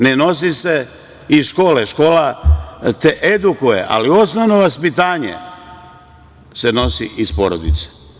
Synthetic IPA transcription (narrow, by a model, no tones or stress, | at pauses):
neno̞s̬ise̞ | iʃko̞ːleʃko̞ːla | t̪eʔed̪ukujḛʔa̰lio̞snoʋno̞ʋaspit̪aːɲḛ | seno̞sḭʔispo̞ɾod̪ḭt̪se̥